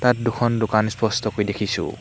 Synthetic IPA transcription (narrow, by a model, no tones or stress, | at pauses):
t̪at̚d̪ukʰɔnd̪ukanspɔst̪ɔkojd̪ekʰisṵ